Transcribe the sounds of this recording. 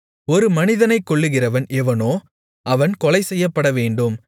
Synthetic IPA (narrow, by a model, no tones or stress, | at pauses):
ɔɾɯmɐnɪðɐnɐɪkːɔɭːɯɣɪrɐʋɐnɛʋɐnoː | ɐʋɐnkɔlɐɪsɛjːɐpːɐɽɐʋeːɳɖɯm